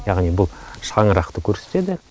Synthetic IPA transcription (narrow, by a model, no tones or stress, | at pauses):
jɑʁnibʊlˠʃɑɴəɾɑqt̪əkʲʰɵɾse̥t̪e̞d̪ɪ